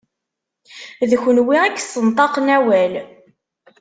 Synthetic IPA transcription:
ðçənwiækːsˤənt̪ˤɑqnæwæl

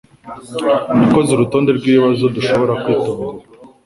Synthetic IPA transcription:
umuko̞ziɾuto̞ːnde̞ɾɡwiːiβazoduʃo̞βo̞ɾakwiːtoːŋɡa

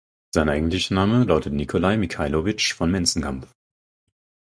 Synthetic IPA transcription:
z̥aɪnʔaɪɡŋ̩tlɪçnaːməlaʊtətnikʰolaɪmikʰaɪlovɪt͡ʃfɔnmɛnt͡sn̩kʰamf

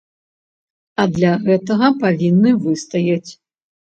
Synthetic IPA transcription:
ɐd̪lʲaɣɛt̪ɐɣɐpavʲinːɨvɨst̪ɐjat͡sʲ

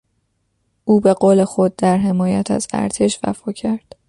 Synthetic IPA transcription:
ʔuːbe̞ɢoːle̞xo̞d̪̚ːæɾɦe̞mɒːjæ̰t̪ʰæ̰zæ̰ɾt̪ʰe̞ʃvæ̰fɒːcʰæɾd̪̥

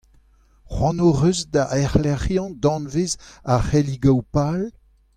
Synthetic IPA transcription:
χwɑ̃noʁøzdaʔɛʁlɛχjɑ̃d̪ɑ̃nvezaχɛliɡawpal

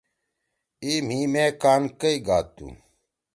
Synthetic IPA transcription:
iːm̤iːmẽːkaːnkɐiɡaːt̪ṵ

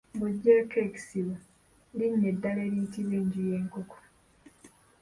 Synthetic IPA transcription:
buɟːeːkeːki̥siβo | liɲːedːaleːɾiːtiβwiːɲɟije̞ːŋkoko̥

